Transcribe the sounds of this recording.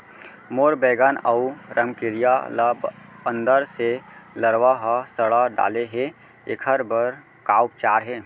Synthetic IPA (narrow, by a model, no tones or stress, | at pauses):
moːɾbɛːɡaːnɐuɾʔəmkɪɾijaləbə̃nd̪əɾseləɾʋaɦasəɽaɖa̰ːleɦe | ɪkʰəɾbəɾ | kaːwp̚t͡ʃaːɾɦɛː